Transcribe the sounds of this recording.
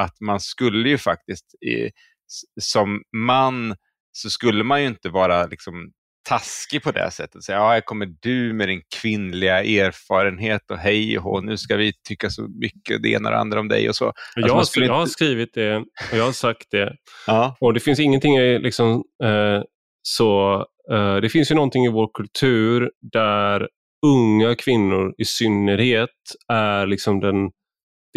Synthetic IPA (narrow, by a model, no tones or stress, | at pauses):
at̪manskɵlːəjɵfak̚t̪ɪst̪ | sɔmːanː | sɔskɵlːəmanjɵɪnt̪əvɑːɾalɪksɔm | t̪ʰaskɪpʰɔd̪ɛ̰sɛ̰t̪ːə̥t̪sɛjːaɑːjakʰɔmːəɖʉ̟mɛd̪ɪnkʰv̥ɪnlɪɡaʔeːɾfɑːɾənɦeːt̪ɔɦɛjɦɔ̰nʉ̟ːskavɪt̪ʰʏkːasɔ̰mʏkːəd̪ɛʔḛːna̰ɾ̰a̰nd̪ɾaɔmd̪ɛ̰jɔ̰so̰ːɑajɑːmaskɵəɪjɑːhaɾskɾiːvɪt̪̚d̪ɛɔjɑːhasak̚t̪̚d̪ɛ | ɔd̪ɛfɪns̬ɪŋːənt̪ʰɪŋːɪlʔɪksɔm | sɔ | d̪ɛfɪnsjɵnɔnt̪ɪŋɪvoːɾkʰɵlt̪ʰʉ̟ːɾd̪æɾ | ɵŋːakʰvɪnːʊɾɪsʏnːəɾheːt̪æɾɭɪksɔmd̪ɛn | d̪